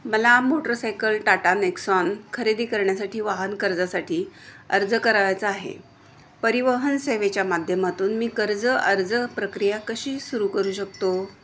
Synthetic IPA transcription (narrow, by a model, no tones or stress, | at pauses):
məlamoʈəɾsajkəlʈaʈaneksɔnkʰəɾed̪iːkəɾɳjasaʈʰiːʋaɦənkəɾd͡zasaʈʰiː | ə̰ɾd͡zəkəɾaʋjat͡səaɦḛ | pəɾiʋəɦənseʋet͡ɕjamad̪ʱjəmat̪uːnmiːkəɾd͡zəəɾd͡zəpɾəkɾijakəɕiːsuɾuːkəɾuːɕək̚t̪o